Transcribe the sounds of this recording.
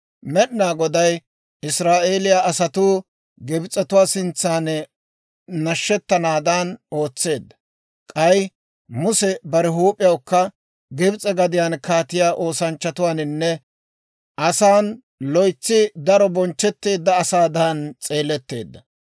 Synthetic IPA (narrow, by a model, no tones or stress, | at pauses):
mɛɗɪnaːɡɔd̪ɐj | ɪsɾaːʔe̞ːlɪjaːɐsɐt̪uː | ɡɛbt͡sʼɛt̪ʊwaːsɪnt͡sːaːn | nɐʃːɛt̪ːɐnaːd̪aːno̞ːt͡sːe̞ːd̪ːɐ̥ | kʼɐj | mʊsɛbɐɾɛɦuːpʼɪjɐwkːɐ | ɡɛbɪt͡sʼɛɡɐd̪ɪjaːnkaːt̪ɪjaːʔo̞ːsɐnt͡ʃːɐt̪ʊwaːnɪnːɛ | ʔɐsaːn | lɔjt͡sːɪd̪ɐɾɔbɔnt͡ʃːɛt̪ːeːd̪ːɐːsaːd̪ant͡sʼe̞ːlɛt̪ːe̞̰ːd̪ːɐ